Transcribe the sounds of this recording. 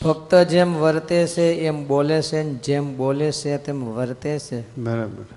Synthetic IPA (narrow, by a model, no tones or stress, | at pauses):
bʰʱək̚t̪əd͡ʒemʋəɾt̪et͡ʃʰeembolesend͡ʒemboleset̪emʋəɾt̪et͡ʃʰebəɾabəɾ